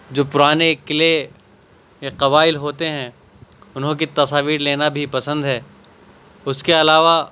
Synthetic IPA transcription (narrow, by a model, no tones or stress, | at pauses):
d͡ʒoːpʊɾaːnekɪle | eqɐβaːɪlɦoːt̪eɦɛ̃ | ʊnɦõk̬it̪ɐsaːʋiːɾleːnabʱipɐsə̃nd̪ɦɛː | ʊskeɐlaːʋa